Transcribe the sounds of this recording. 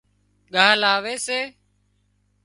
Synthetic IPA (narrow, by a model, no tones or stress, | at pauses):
ɠaːlaːʋeːseː